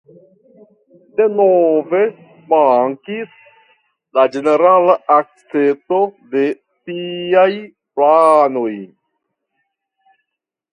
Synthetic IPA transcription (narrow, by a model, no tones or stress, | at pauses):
de̞nove̞ | maŋkis | lad͡ʒe̞ne̞ɾalaʔak̚t͡seso̞de̞ | tiaj | plano̞j